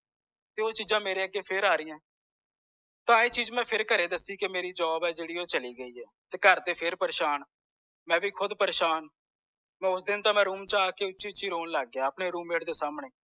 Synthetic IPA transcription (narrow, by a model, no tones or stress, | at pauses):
t̪eːoːt͡ʃiːzãːmeːɾeːəkːeːpʰɪɾaːɾɪːãː | t̪ãːeːt͡ʃiːd͡ʒmɛ̃ːpʰɪɾkəɾeːd̪əsːiːkemeːɾiːd͡ʒɔːbɛːd͡ʒeːɽiːoːt͡ʃəliːɡəiːɛːt̪eːkəɾt̪eːpʰɪɾpəɾeːʃaːn | mɛ̃ːʋiːkʰʊd̪pəɾeːʃaːn | mɛ̃ːʊsd̪ɪnt̪ãːmɛ̃ːɾuːmt͡ʃaːkeːʊt͡ʃt͡ʃiːt͡ʃiːɾoːnlaːɡːjaːəpɳeːɾuːmeːʈd̪eːsaːmɳeː